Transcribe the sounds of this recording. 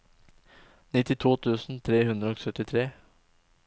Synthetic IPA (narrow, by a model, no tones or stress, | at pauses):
nɪt̪ɪt̪ʰuːt̪ʰʉːsn̩t̪ʰɾeːhʉnd̪ɾəoːksœt̪ɪt̪ʰɾeː